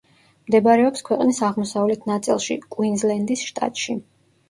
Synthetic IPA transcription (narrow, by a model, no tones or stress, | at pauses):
md̪ɛbɾɛɔpskʰwɛqʼnisaʁmɔsavlɛt̪ʰnat̪sʼilˠʃḭkʼwinzlɛnd̪isʃt̪ʼa̰t̪ʼʃi